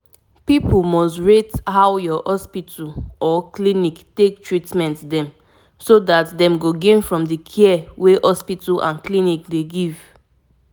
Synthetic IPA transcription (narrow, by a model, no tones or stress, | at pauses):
pipulmɔstɹethawjɔhɔspitʰulʔɔkliniktek̚tɹitmɛ̃ntdɛ̃m | sodatdɛ̃mɡoɡẽnfɹɔ̃mdikʰɛɛweʔɔspitlʔã̰nklinikdeɡiv